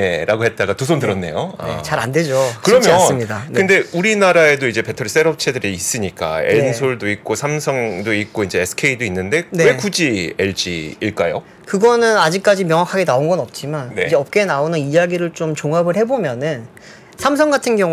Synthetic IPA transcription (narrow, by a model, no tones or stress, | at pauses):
eɾaɡohet̚t͈aɡatus̬ʰondɯɾʌnːe̞̰joa̰ḛt͡ɕaɾanded͡ʑokkɯɾʌmjʌsɯmɲidakɯnde̞uɾinaɾae̞doid͡ʑe̞pe̞tʰʌɾis͈e̞ɾʌp̚t͡ɕʰe̞dɯɾiːs͈ɯɲik͈a̰ḛɭnsʰoɭdoik̚k͈osʰamsʰʌŋdoik̚k͈oind͡ʑe̞ːsʰɯ̥kʰeidoinːɯnde̞newe̞kud͡ʑieɭd͡ʑḭiɭk͈ajo̰ | kɯɡʌnɯnad͡ʑik̚k͈ad͡ʑimjʌŋwakʰaɡe̞naonɡʌnʌp̚t͡ɕ͈imanned͡ʑeʌp̚k͈e̞naonɯnijaɡiɾɯɭt͡ɕomt͡ɕoŋabɯɭhe̞bomjʌnɯn | sʰams̬ʰʌŋɡatʰɯnɡjʌŋu